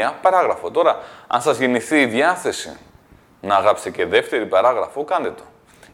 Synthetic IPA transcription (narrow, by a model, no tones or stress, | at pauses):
ɐpɐɾɐɣɾɐfo̞t̪o̞ɾɐɐ̰nsɐzʝeniθiːðjɐθe̞sḭ | nɐːɣɾɐpst̪ece̞ðe̞ft̪e̞ɾipɐɾɐɣɾɐfokɐnd̪et̪o̞̥